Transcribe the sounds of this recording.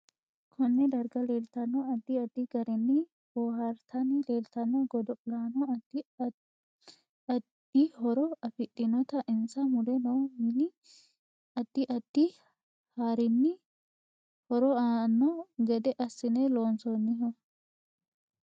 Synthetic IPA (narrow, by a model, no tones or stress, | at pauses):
kʰɔnːɛd̪ɐɾɡɐle̞ːlt̪ɐnːɔɐd̪ːɪɐd̪ːɪɡɐɾɪnːɪ | b̥oːhɐɾt̪ʰɐnɪleːlt̪ɐnːɔɡɔd̪ɔlaːnɔd | ɐd̪ihɔɾɔɐfɪtʼːɪnɔt̪ɐʔɪnsɐmʊd̪ɛnoːmɪnɪ | ɐd̪̥ːɪʔɐd̪̥ːi | haːɾɪnːɪ | hɔɾɔanːɔɡɛd̪ɛʔɐsːɪnɛloːnsɔnːɪɦɔ